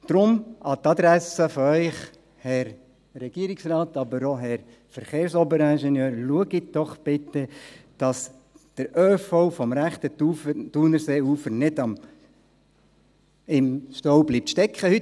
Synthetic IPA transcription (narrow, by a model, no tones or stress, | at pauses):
d̪̥ɾʊmʔɑt̪ɑd̪ɾæsəfɔœʏχ | hɛɾ | ɾɛɡ̥iːɾiksrɑːtɑbəɾoɦɛɾ | fəɾχeːɾsɔbəɾɛnʃɛnjøːɾluəɡɪt̚d̥ɔχb̥ɪt̪ːəd̥ɑs | d̪̥əɾøːfɔʊfɔmɾæχt̪əud̥unəɾseːuːfənɪdɑm | ɪmʃtɔwbliːp̚tʃtɛkχəhy